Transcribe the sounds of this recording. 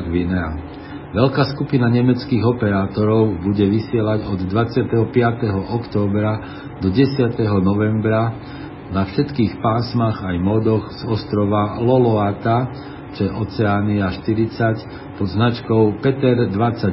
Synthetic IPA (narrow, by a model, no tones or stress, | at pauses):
ʋinɛa̰ | ʋɛʎkaːskupinaɲɛmɛt͡skiːɣɔpɛɾaːt̪ɔɾɔʊbuɟɛʋisɪɛlaɟɔd̪ːʋat͡sɪat̪ɛɦɔpɪat̪ɛɦɔʔɔkt̪ɔːbɾa | d̪ɔɟɛsɪat̪ɛɦɔnɔʋɛmbɾa | nafʃɛt̪kiːxpaːsmaɣajmɔd̪ɔxz̥ɔst̪ɾɔʋalɔlɔat̪a | t͡ʃɛʔɔt͡sɛaːniaʃt̪iɾit͡sac | pɔd̪znat͡ʃkɔʊpɛt̪ɛɾd̪ʋat͡sa